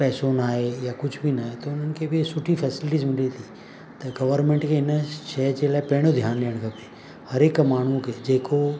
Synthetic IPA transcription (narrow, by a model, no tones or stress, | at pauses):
pɛːsõnaːɦejakʊd͡ʒʰʱbʱinaːɦet̪oʊn̤ənɪ̆kʰebʱisʊʈʰifʰɛːsɪlʈiːzmɪlit̪ʰi | t̪ɐɡɐʋəɾmẽɳʈkʰeɪnəʃɛːd͡ʒelaːepeɽ̃od̪ʱjaːnliəɽ̃kape | hɐɾeːkmaːɳ̤̃ũked͡ʒeːko